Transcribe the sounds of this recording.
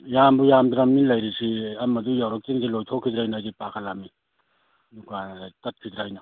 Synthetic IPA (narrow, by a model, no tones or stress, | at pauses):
jambujamdɾamːinlajɾisiɐmɐdujawɾak̚tiŋzilojtʰɔkʰidɾajnaajdipakʰalamːi | nukatɐt̚kʰidɾajna